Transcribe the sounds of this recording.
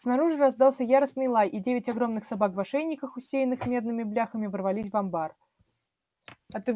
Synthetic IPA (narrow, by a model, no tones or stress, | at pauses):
snɐɾuʐɨɾɐzd̪ɑlˠsʲəjaɾəsnɨjlˠajʔidʲevʲɪtʲɐɡɾo̞mnɨxsabakvɐʂɛnʲːɪkəxʊsʲejɪnːɨxmʲe̞d̪̚nɨmʲɪblʲaxəmʲɪvərvɐlʲisʲvɐmbar | ɐt̪ɨ